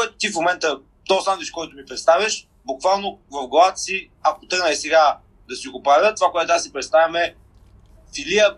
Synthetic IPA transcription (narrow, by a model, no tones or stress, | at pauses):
kʊɛt̪ʊ̥t̪ifmomɛnt̪ə | t̪ɔsamd̪ɛʃkɔjt̪ʊmipɾɛt̪st̪avʲɐʃ | bʊkvalˠnovɐvɡɐlˠat̪ə̥si | akot̪əɡnəɛsɛɡa | d̪ɐsiɡopɾavʲət̪ovakoɛt̪t̪sipɾɛt̪st̪avʲɐmɛ | filiə